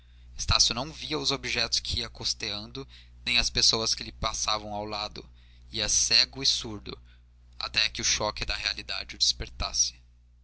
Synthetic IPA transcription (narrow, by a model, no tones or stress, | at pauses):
est̪asjʊnɐ̃w̃viɐʊzobiʒɛt̪ʊ̥skʰɪiɐkost̪eɐ̃nd̪ʊ | nẽj̃ɐspesowɐskɪlɪpasavɐ̃w̃awlad̪ʊ̰ | iɐsɛɡʊisuɾd̪ʊ̰ | a̰t̪ɛkʲɪʊʃɔkɪd̪ɐɦealid̪a̰d͡ʒɪʊd͡ʒispeɾt̪a̰sɪ̥